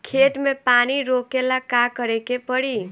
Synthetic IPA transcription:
kʰeʈmepaniɾokelakakʌɾekepʌɽi

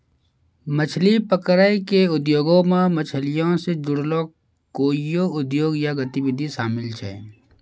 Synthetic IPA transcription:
mət͡ʃʰlipəkɾəikeʊd̪joːɡõmẽmət͡ʃʰəlijõsed͡ʒʊɽloː | koːijoʊd̪joːɡjaɡət̪iwɪd̪ʱiʃaːmɪlt͡ʃʰɛ̰ː

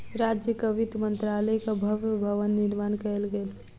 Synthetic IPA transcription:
ɾaːd͡ʒjəkəʋɪd̪mə̃nt̪ɾaːləjkabʱɐʋjəbʱəʋənːɪɾmaːnkɛlɡəl

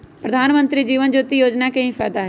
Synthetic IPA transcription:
pɾəd̪ʱaːnmə̃nt̪ɾid͡ʒiːʋənd͡ʒoːt̪ijoːd͡ʒnakẽĩfʰɛːd̪aɦ

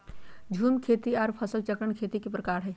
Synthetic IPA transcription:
d͡ʒʱuːmkʰeːt̪iɔːɾpʰəsəlt͡ʃəkɾəɳ̃kʰeːt̪ikipɾəkaːɾɦɛː

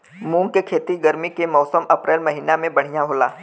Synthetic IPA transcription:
mũːŋɡkekʰeːt̪iɡəɾmikemɔːsəmɐpɾeːlmɐɦiːnamẽbɐɽ̤ijaɦoːla̰ː

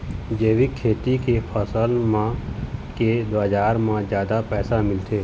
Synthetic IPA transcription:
d͡ʒeːʋikʰːeːt̪ikepʰəsəlmãked̪ʋaːd͡ʒaːɾmãd͡ʒjaːd̪apɛːsamɪlt̪ʰeː

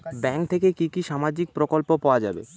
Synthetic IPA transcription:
bɛŋk̚t̪ʰekekikiʃamad͡ʑik̚pɾokolpopaoad͡ʑa̰bḛ

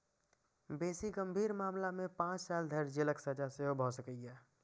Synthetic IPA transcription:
beːsiɡəmbʱiːɾmaːmlamẽpãːt͡ʃsaːld̪ʱəɾd͡ʒeləksəd͡ʒaseɦobʱɔsəkəiɛː

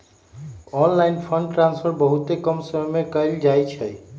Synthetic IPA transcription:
ɔnlainpʰəɳɖʈɾanspʰəɾbəɦut̪ekəmsəɦmekəeld͡ʒajt͡ʃʰəj

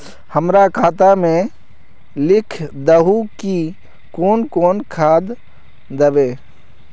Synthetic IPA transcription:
həmɾakʰaːt̪amẽ | lɪkʰd̪əɦuki | koːnkoːnkʰaːd̪ː | əbeː

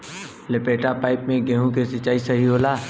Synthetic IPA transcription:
lepeːʈapaːɪpmẽɡɛ̃ːɦõkesɪt͡ʃːaːisɐɦiɦoːlaː

